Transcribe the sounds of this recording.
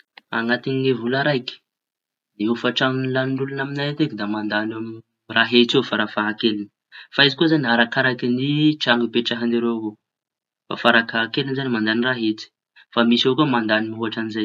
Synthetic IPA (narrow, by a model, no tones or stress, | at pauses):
a̰ŋat̪iɲiŋevulaɾajkə̥ | d̪eufaʈ͡ʂaŋinlanɳɖ͡ʐulunaminajat̪ekid̪amand̪anam | raɦet͡sefaɾafaɦakelinə | faizikuzanaɾakaɾajkiniʈ͡ʂaŋɡipeʈ͡ʂaɦaniɾeɦo | fa̰faɾakaɦakelinzanimand̪aniraɦet͡si̥ | famisokomand̪animiɦuaʈ͡ʂanizaj